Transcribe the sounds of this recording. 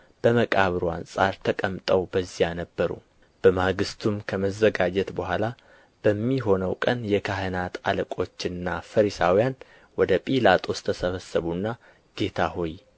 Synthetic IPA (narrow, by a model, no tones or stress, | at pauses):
b̥əməkʼaβɾua̰nsʼaɾt̪ʰəkʼəmt̪ʼəwbəzːijanəbːəɾṵ | b̥əmaɡɨst̪ʰumkʰəməzːəɡad͡ʒɛt̪bəhʷala | b̥əmːiɦo̞nəwkʼənjɛkʰaɦənat̪ʰa̰ləkʼo̞t͡ʃːɨnːafəɾisawijan | wɔd̪əpʼilat̪ʼʰo̞st̪ʰəsəβəsːəβunːa | ɡ̥e̞t̪ʰahoj